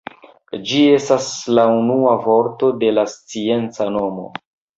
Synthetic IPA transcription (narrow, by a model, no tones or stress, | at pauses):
d͡ʒie̞staslaunuavo̞ɾto̞de̞last͡sie̞nt͡sano̞mo̞̰